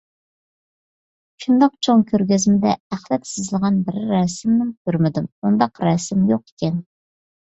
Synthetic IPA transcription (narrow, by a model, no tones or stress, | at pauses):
ʃund̪ɑqt͡ʃʰoŋkʲʰøɾɡʲezmɪd̪ɛæχlɛt̪sɪzlˠɨʁɑnbɪɾɪɾɛsɪmnɪmkʲʰøɾmɪd̪ɪmund̪ɑqɾɛsɪmjoqe̥kʲʰɛn